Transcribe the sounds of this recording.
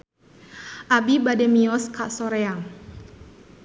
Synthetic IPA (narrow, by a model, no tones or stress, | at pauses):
ʔabibadɛmiɔskaʔsɔɾeaŋ